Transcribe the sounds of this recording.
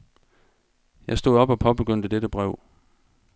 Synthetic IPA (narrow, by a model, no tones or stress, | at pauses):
jɑ̈ɪsd̥o̝ðˠɒ̽b̥ɒ̽pʰɒ̽b̥e̝ɡ̥øn̰d̥əd̥ed̥əb̥ʁɛʊ̰